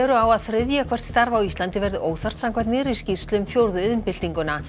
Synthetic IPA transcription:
ɛɾʏawaðθɾʏðjakʰv̥ɛr̥t̪st̪aɾvawist̪lant̪ɪvɛɾðʏʔoːwθar̥t̪samkʰvajt̪nɪːɾisci̥st̪lʏmfjowɾðʏɪðʏnpɪl̥t̪iŋkʏna

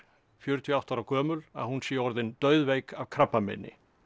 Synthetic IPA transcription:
fjœɾt̪ʰiawt̪awɾakʰœːmʏla̰ðhunsiɔɾðɪnt̪œːɥðvejkavkʰɾapːamɛ̰nːɪ̰

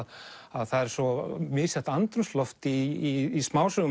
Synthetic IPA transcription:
ðaðθaðɛɾ̥sɔmɪːsɛht̪ant̪ɾʏmslɔft̪iːsmaːwsœɣʏ

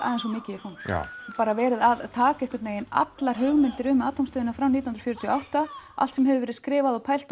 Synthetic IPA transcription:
ʔa̰ːðɛnsvɔmɪːcɪɪfan̰paːɾavɛːɾɪðaðt̪ʰaːkaɛhkvaɾt̪neːjɪna̰t̪laɾ̥ɦʏɣmɪnt̪ɪɾʏmaːt̪amst̪œːðɪnafɾawniːhnɾfjœɾʏt̪ʰiɔʔawht̪aa̰l̥t̪sɛmɦɛvɪvɛɾɪskɾɪːvaðɔpʰaːjl̥t̪

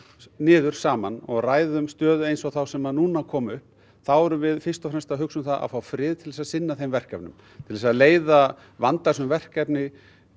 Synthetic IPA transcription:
nɪːðʏɾ̥saːmanɔɣraːjðʏmst̪œːðʏejnsɔɣθawsɛmaðnuːnakʰɔːmʏhp | θawɛɾʏvɪðfɪ̥st̪ɔfɾɛmst̪aɦʏksʏmθaðʔa̰ðfawfɾɪːðt̪ʰɪlðɛsasɪnːaθejmvɛr̥kɛpnʏ̰m | t̪ʰɪlðɛsaðleːjða | vant̪asʏmvɛr̥kɛpnɪ

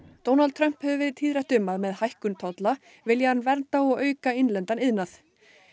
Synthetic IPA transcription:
t̪ownalt̪ʰɾœm̥phɛvʏvɛːɾɪðt̪ʰiːðɾɛht̪ʏmːaðmɛðhajhkʏnt̪ʰɔt̪la | vɪljahanːvɛɾt̪aɔɣœːɥkaɪnlɛnt̪anɪðnaθ

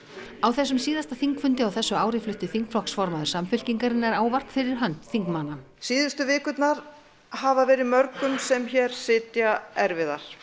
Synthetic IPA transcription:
awθɛs̬ːʏmsiːðast̪aθiŋkfʏnt̪ɪawθɛsːʏaːwɾɪflʏht̪ɪθiŋkflɔhksfɔɾmaðʏɾsamfʏl̥ciŋkaɾɪnːaɾaːwvar̥t̪fɪɾɪɾ̥ɦœnt̪θiŋkmana | siːðʏst̪ʏvɪːkʏt̪naɾ̥ | havavɛːɾɪðmœɾkʏmsɛmçɛɾ̥sɪːt̪jaɛɾvɪða̰ɾ̥

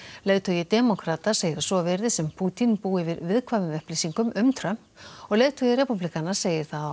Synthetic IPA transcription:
leðt̪ʰɔjɪt̪ɛmɔkɾat̪ḁseːjɪɾasɔvɛɾðɪsɛmpʰuːt̪inpuːɪvɪɾvɪðkʰvavʏmœhplɪsiŋkʏmʔʏmt̪ʰɾœm̥ɔɣleðt̪ʰɔjɪɾɛpuplikanːaɾ̥seːjɪɾ̥θað

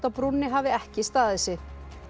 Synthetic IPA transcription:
t̪apɾunːɪɦaːvɪɛhcɪst̪aːðɛsɪ

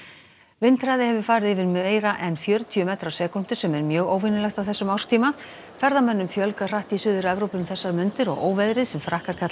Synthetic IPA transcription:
vɪnt̪ɾajðɪhɛvʏɾ̥faːɾɪðɪvɪɾmeːjɾaʔɛnfjœːɾʏt̪ʰʏʏmɛːt̪ɾawsɛːkun̥t̪ʏ̥sɛmɛɾmjœːɣoːwvɪnʏlɛxt̪awθɛsːʏmawr̥st̪ʰiːma | fɛɾðamɛnːʏmfjœlkar̥aht̪isʏːðʏɾɛvɾowpʏmθɛsːaɾmʏnt̪ɪɾɔ̰ɣo̰ːwvɛðɾɪðsɛmfɾahkaɾ̥kʰat̪

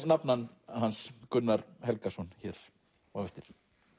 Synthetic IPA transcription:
napnanhanskʏnːaɾhɛlkasɔnçɛɾ̥ | avɛft̪ɪɾ̥

